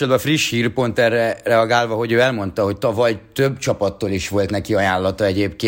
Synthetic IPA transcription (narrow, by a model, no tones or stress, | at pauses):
od̪bɒfriʃhiːrpo̞nt̪ɛrːɛrɛɒɡaːlvɒɦo̞ɟøːɛlmo̞nt̪ɒɦo̞ct̪ɒvɒjt̪øbːt͡ʃɒpɒt̪ːoːliʃʋo̞lt̪nɛkiɒjaːlːɒt̪ɒɛɟeːpkeː